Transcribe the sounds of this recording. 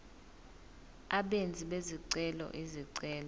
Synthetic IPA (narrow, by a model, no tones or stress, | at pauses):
aɓend͡zʱiɓeziǀɛlɔ̰ʔiziǀɛːlɔ